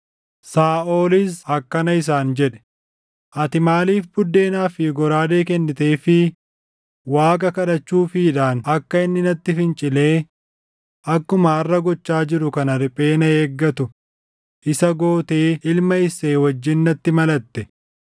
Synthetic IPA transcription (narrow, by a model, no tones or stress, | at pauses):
saːʔo̞ːlɪs̬ɐkːɐnɐɪs̬aːnd͡ʒɛᶑɛ̥ | ʔɐt̪ɪmaːliːfbʊd̪ːe̞ːnaːfɪɡɔɾaːd̪eːkɛnːɪt̪e̞ːfɪ | waːkʼɐkɐᶑɐt͡ʃːuːfɪᶑaːnɐkːɐɪnːɪnɐt̪ːɪfɪnt͡ʃʼɪle̞ː | ʔɐkːʊmɐːrːɐɡɔt͡ʃːaːd͡ʒɪɾʊkɐnɐɾɪpʼe̞ːnɐeːɡːɐt̪ʊ | ʔɪsɐɡo̞ːt̪eːɪlmɐɪseːwɐd͡ʒːɪnːɐt̪ːɪmɐlɐt̪ːɛ